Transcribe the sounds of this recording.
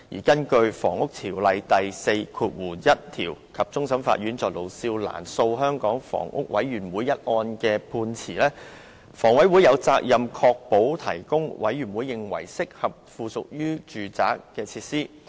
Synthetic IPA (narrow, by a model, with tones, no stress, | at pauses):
jḭː˨˩kɐ˥nkɵ˧ɥfɔ̰ː˨˩ŋʊ˥k̚t̪ʰiː˨˩wlɐ˨jt̪ɐ˨jse˧jkʰuː˧t̚wuː˨˩jɐ˥t̚t̪ʰiː˨˩wkʰɐ˨p̚t͡sʊ˥ŋsɐ˨˧˥mfa̰ː˧t̚ɥyː˨˥nt͡sɔː˨k̚lo˨wsiː˧wla̰ː˨˩nso˧wɦœː˥ŋkɔː˨˥ŋfɔ̰ː˨˩ŋʔʊ̰˥k̚wɐ˨˥jɥyː˨˩nwuː˨˧jɐ˥t̚ʔɔː˧nkɛː˧pʰuː˧nt͡sʰiː˨˩lɛː˥ | fɔː˨˩ŋwɐ˨˥jwuː˨˥jɐ˨˧wt͡saː˧k̚jɐ˨mkʰɔː˧k̚po˨˥wt̪ʰɐ˨˩jkʊ˥ŋwɐ̰˨˥jɥyː˨˩nwuː˨˧jːɪ˨ŋwɐ̰˨˩jsɪ˥k̚hɐ˨p̚fuː˨sʊ˨k̚jyː˥t͡ʃyː˨t͡sa̰ː˨˥kːɛː˧t͡sʰiː˧t̚siː˥